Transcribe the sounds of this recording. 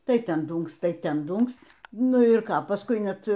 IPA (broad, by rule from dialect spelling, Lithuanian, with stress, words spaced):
ˈtɐɪ ˈtʲɛn ˈduːŋkst ˈtɐɪ ˈtʲɛn ˈduːŋksʲtʲ ˈnʊ ɪr ˈkɑː pɐsˈkʊɪ ˈnʲɛt